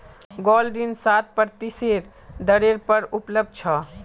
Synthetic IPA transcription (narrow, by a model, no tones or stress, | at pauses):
ɡɔlɾinsat̪̚pəɾt̪iseɾ | d̪əɾeɾpəɾupləb̚d̪̚t͡ʃʰɔ